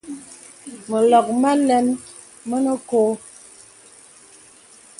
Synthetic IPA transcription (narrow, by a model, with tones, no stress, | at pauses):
mə˨lɔ˨k̚ma˦lɛ˦n | mə˦nə˦ko˦